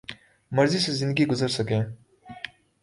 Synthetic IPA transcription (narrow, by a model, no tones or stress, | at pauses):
mʌɾzisezĩɪnd̪əɡiɡʊzəɾsəkẽ